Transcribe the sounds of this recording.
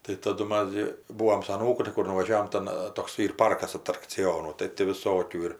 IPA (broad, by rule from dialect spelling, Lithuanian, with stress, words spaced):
tɐɪ tɐˈdʊ ˈmɐs ɡʲɪ ˈbuːoːm sʊ ɐˈnuːkʊ tɐɪ ˈkʊr nʊʋɐˈʒʲæːʋoːm ˈtɐn ˈtoːks ˈiːr ˈpɐrkɐs ɐtrɐkt͡sʲɪˈjoːnuː tɐɪ tʲɪ ʋʲɪˈsoːkʲuː ɪr